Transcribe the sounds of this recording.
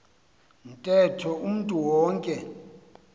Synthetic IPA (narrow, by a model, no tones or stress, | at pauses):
n̩tʼɛtʰɔum̩ntʼuwɔːŋkʼɛ